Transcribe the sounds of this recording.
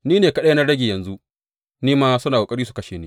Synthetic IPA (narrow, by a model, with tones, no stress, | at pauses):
niː˦neː˨kɐ˦ɗe˦na˦ɽɐ˦ɡʲi˨jɐ˨nzu˦ | niː˦maː˦sʊ˦naː˨o˨kʼɐ˦ɽi˦su˨kɐ˦ʃeː˨niː˦